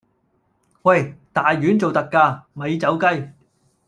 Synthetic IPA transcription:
wɐ˥˧˩jt̪aː˨jːyː˨˥nt͡so˨wt̪ɐ˨kːaː˧mɐ˨˧jt͡sɐ˨˥wkɐ˥j

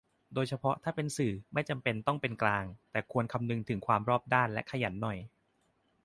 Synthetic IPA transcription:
doː˧jt͡ɕʰa˧pʰɔ˦˥t̪ʰaː˥˩pe˧nsɯː˨˩ma˥˩jt͡ɕa˧mpe˧nt̪ɔ˥˩ŋpe˧nklaː˧ŋt̪ɛː˨˩kʰu˧ənkʰa˧mnɯ˧ŋt̪ʰɯ˨˩˦ŋkʰwaː˧mɾɔː˥˩p̚daː˥˩nlɛ˦˥kʰa˧ja˩˦nːɔ˨˩j

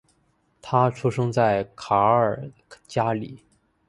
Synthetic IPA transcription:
t̪ʰa˥ʈ͡ʂʰu˥ʂɤ˥ŋt͡sa˥˩ɪkʰa˧˥ə˞˨˩ | t͡ɕja˥lḭ˨˩˦

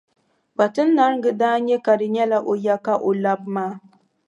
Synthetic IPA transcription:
k͡pa˨tɨ˦nː˦a˦ɾŋ˦ɡɨ˨daː˦ɲɛ˦ka˨dɨ˨ɲɛ˦la˦ʔo˨ja˦ka˦ʔo˨la˦bmaː˦˨

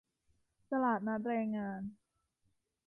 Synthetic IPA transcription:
ta˧laː˨˩t̪̚na˦˥t̪̚ɾɛː˧ŋːaː˧n

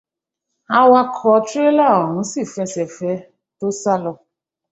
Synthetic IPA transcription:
a˧wa˧kʰɔ˨˧˦tɾe˦la˦˨o˨ɦũ˨˦si˦˨fɛ˧sɛ˨fɛ˨˦ | to˦sa˦lɔ˧

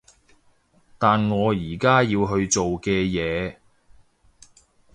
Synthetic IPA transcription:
t̪aː˨nŋɔː˨˧jiː˨˩kaː˥jiː˧wɦɵ˧ɥt͡ʃo˨wkɛː˧jɛː˨˧

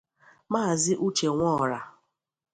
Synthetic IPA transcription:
maː˦a˨zɪ˦ʔu˦t͡ʃe˨ŋʷɔː˦˨ɾa˨

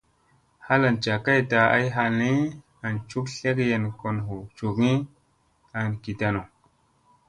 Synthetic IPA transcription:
ha˦la˨nt͡ʃa˨ka˦jta˨a̰˦jɦa˨ni˦ | a˨nt͡ʃu˦kɬe˦kje˨nko˨nɦu˨t͡ʃu˨ki˦ | a˨nki˨ta˨no˨

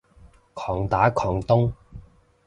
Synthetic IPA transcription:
kʰɔː˨˩ŋt̪aː˨˥kʰɔː˨˩ŋt̪ʊ˥ŋ

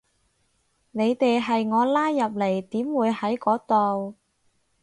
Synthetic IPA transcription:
ne˨˧jt̪e˨jɦɐ˨jŋɔː˨˧laː˥jːɐ˨p̚le˨˩jt̪iː˨˥mwuː˨˧jhɐ˨˥jkɔː˨˥t̪o˨w

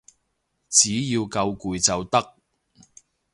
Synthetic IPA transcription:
t͡siː˨˥jiː˧wkɐ˧wkuː˨jt͡sɐ˨wt̪ɐ˥k̚

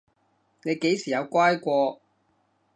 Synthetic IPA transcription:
ne˨˧jke˨˥jsiː˨˩jɐ˨˧wkʷaː˥jkʷɔː˧

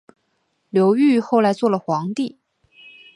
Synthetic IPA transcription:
ljo˧˥ʊy˥˧xo˥˩ʊla˧˥ɪt͡swɔ˥˩lə˩xwɑ˧˥ŋt̪i˥˩

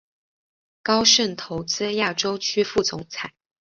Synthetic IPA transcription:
kɑ˥ʊʂə˥˩nt̪ʰo˧˥ʊt͡sɹ̩˥ja˥˩ʈ͡ʂo˥ʊt͡ɕʰy˥fu˥˩t͡sʊ̰˨˥ŋt͡sʰa˨˩˦ɪ

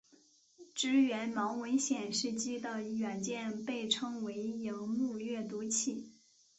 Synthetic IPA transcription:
ʈ͡ʂɻ̩˥ɥɛ˧˥nmɑ˧˥ʊwə˧˥nɕjɛ˨˩nʂɻ̩˥˩t͡ɕi˥d̪ə˧ɥɛ˨˩nt͡ɕjɛ˥˧npe˥˩ɪʈ͡ʂʰɤ˥ŋwe˧˥ɪji˧˥ŋmu˥˧ɥɛ˥˩t̪u˧˥t͡ɕʰi˥˩

